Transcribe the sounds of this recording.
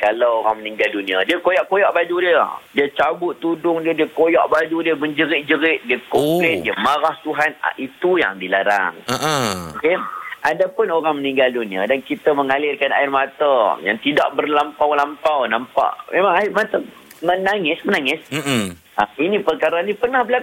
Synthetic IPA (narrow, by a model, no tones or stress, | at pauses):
kalawoɾaŋmənĩŋɡaldunĩadiəkojaʔkojaʔbad͡ʒudiədiət͡ʃabʊt̪ːudʊŋdiədiəkojaʔbad͡ʒudiəməɲd͡ʒəɾɪʔ̚d͡ʒəɾɪʔ̪̚diəkomplɛt̪̚diəmaɾaht̪uɦana̰ʔit̪uja̰ŋdilaɾa̰ŋ | okeʔadapʊnoɾaŋmənĩŋɡaldunĩa̰dankit̪aməŋalɪrkana̰ɪrmat̪əja̰ŋt̪ida̰ʔbərlampawlampawnampa̰ʔmemaŋaɪmat̪ə | mənaŋɪsmənaŋɪs | ainĩpərkaɾaɲipərnahbəlak